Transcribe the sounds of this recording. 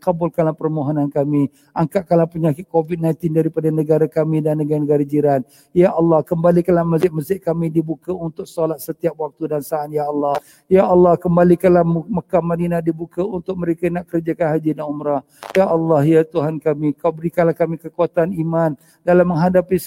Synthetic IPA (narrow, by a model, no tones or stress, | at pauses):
kabʊlkalahpərmoɦonankami | ʔaŋkaʔkalapəɲakɪt̪̚kovit̪̚nãj̃nt̪ɪndaɾipadanəɡaɾakamĩdanːəɡaɾnəɡaɾad͡ʒiɾan̚ | jaʔɑlːɑhkəmbalikalahməzɪt̪̚məzɪʔ̪̚kamidibukaunt̪ʊk̚solat̪̚sət̪iap̚wak̚t̪udansaːnjaɑlːɑh | jaʔɑlːɑhkəmbalikalahmməkamaninadibukaunt̪ʊk̚məɾekanaʔkəɾd͡ʒakanɦad͡ʒinaumɾa | jaʔɑlːɑhjat̪uɦankamikabəɾikanlahkamikəkuat̪animan | dalaməŋɦadapi